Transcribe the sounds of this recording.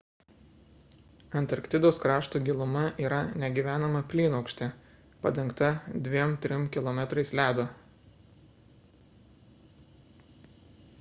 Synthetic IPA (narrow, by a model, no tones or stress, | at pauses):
ɐnʲt̪ɐɾkt̪ʲɪd̪oʊskɾɑːʃt̪uːɡʲɪlˠʊmɐʔiːɾɐnʲɛɡʲiʋʲæːnɐmɐpʲlʲiːnɐʊkʃʲt̪ʲe | pɐd̪ʲɛŋˑkt̪ɐd̪ʲʋʲiɛmt̪ʲɾʲɪmkʲɪlˠɔmʲɛt̪ɾɐɪslʲæːd̪o